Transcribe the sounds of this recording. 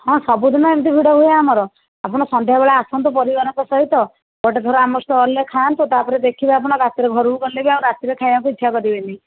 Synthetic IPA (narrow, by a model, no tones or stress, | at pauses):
hɔ̃sɔbud̪ʱɔmaemit̪ibʱiɽɔɦuaamɔɾɔ | apɔɽ̃ɔsɔnd̪ʱjabeɭaasɔnt̪ɔpɔɾiɡɔɾɔkɔsɔɦit̪ɔ | bɔʈed̪ʱɔɾɔamɔst̪ɔːlekʰant̪ut̪apɔɾed̪ekʰibaap̬ɔɽ̃ɔɾat̪iɾeɡʱɔɾuukɔɾilebiaũw̃ɾat̪iɾekʰajbaŋkuit̪ːʃʰakɔɾibent̪i